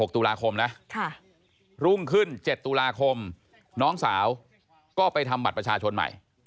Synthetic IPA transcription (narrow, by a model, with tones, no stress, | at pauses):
ho˨˩k̚t̪u˧laː˧kʰo˧mna˦˥ʔkʰa˥˩ | ɾu˥˩ŋkʰɯ˥˩nt͡ɕe˨˩t̪ːu˧laː˧kʰo˧m | nɔː˦˥ŋsaː˩˦w | kɔː˥˩pa˧jt̪ʰa˧mba˨˩t̪̚pɾa˧t͡ɕʰaː˧t͡ɕʰo˧nma̰˨˩j